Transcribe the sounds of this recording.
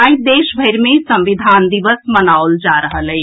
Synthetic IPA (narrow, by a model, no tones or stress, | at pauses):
aːĩd̪eːʃbʱɐɪɾmẽsɐ̃mʋɪd̪ʱaːnd̪ɪʋəsmɐnaːʊld͡ʒaːɾɐɦalɐe